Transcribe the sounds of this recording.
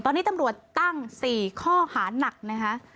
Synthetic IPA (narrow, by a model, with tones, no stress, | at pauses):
t̪ɔː˧nːiː˦˥t̪a˧mɾu˨˩ət̪ːa˥˩ŋsiː˨˩kʰɔː˥˩haː˩˦na˨˩k̚na˦˥kʰa˦˥ʔ